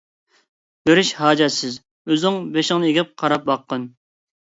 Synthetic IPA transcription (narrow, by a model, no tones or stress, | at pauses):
bøɾɪʃhɑːd͡ʒɛsɪz | øzɪŋbeʃɪŋnɨeɡʲɪp̚qʰɑɾɑp̚bɑqːən